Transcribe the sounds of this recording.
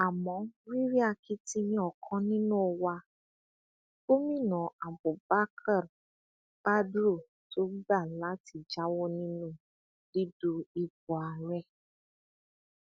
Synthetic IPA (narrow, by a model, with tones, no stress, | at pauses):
a˨mɔ̃˨˦ɾi˦ɾi˦a˧ki˦ti˧˦mĩ˦ɔ˨kʰɔ̃˦nĩ˦nũ˦o˧wa˧ | bo˦mĩ˦˨nɔ̃˨a˨bo˨ba˦kʰa˦˨ɾ | pa˦dɾu˦˨ | to˦ɡ͡ba˦˨la˨˦ti˧˨d͡ʒa˦wɔ˦nĩ˦nũ˦ | di˦du˧i˧bɔ˨a˨ɾɛ˦˨